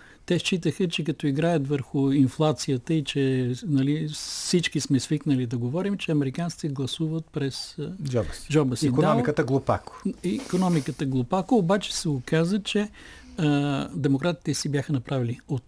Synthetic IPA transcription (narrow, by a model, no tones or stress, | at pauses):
t̪ɛʃt͡ʃit̪əxət͡ʃɛkɐt̪ɔiɡɾajət̪vəɾxʊinflˠat̪sijət̪əit͡ʃɛnɐlisit͡ʃkismɛsviknəlid̪ɐɡovɔɾimt͡ʃɛɐmɛɾikant̪i̥t̪ɛɡlˠɐsuvət̪̚pɾɛsd͡ʒɔbd͡ʒɔbəsikonɔmikət̪əɡlˠopa̰ko̥ikonɔmikət̪əɡlˠopakoːbat͡ʃɛ̥sɛokazət͡ʃɛ | d̪ɛmokɾat̪i̥t̪ɛsibʲjaxənɐpɾaviliot̪